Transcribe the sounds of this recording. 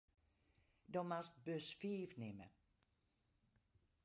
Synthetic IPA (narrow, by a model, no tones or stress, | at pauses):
dɔmast̚bøsfiːfnɪmə̰